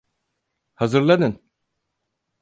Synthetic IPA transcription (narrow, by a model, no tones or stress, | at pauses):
hazɯɾlˠad̪ɯn